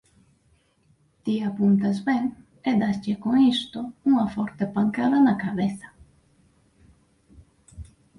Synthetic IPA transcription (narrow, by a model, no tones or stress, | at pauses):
t̪iapunt̪azbeŋ | ed̪ast͡ʃekoŋist̪ouŋɐfɔɾt̪epaŋkaðɐnakaβeθɐ̥